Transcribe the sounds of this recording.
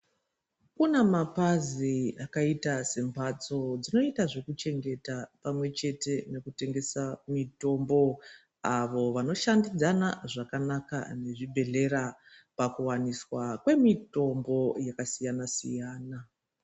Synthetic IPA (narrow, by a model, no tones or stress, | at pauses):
kunemapaziakaitase̞mbʱat͡so̞d͡zino̞itaʐe̞kut͡ʃe̞ŋɡe̞tapamwe̞t͡ʃe̞te̞ne̞kute̞ŋɡe̞samito̞mbo̞ | aʋo̞ʋano̞ʃandid͡zanaʐakanaka̰ne̞ʐibʱe̞ɮe̞ɾa | pakuwaniswakwe̞mito̞mbo̞jakasijanasḭjaːna